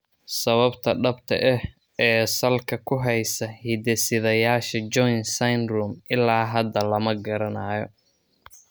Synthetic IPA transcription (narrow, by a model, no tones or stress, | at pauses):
sɐβɐbt̪ʰɐɖɐbt̪ʰɐ̰ʔɛh | ɛːsɐlkʰɐkʰʊɦɛjsɐhid̪ɛsɪðɐjaːʃɐd͡ʒɔjnsɐjnruːmʔɪlːaːɦɐd̪ɐlɐmɐɡɐɾɐnaːjɔ̰